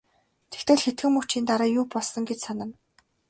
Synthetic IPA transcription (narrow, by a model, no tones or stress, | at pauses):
t̪ʰekt̪ʰɘ̆ɮxet̪̚ɡɘ̆mːuxt͡ɕiːnt̪aɾaːjʊːpɔɮsɞ̆ŋɡet͡ɕsanə̆m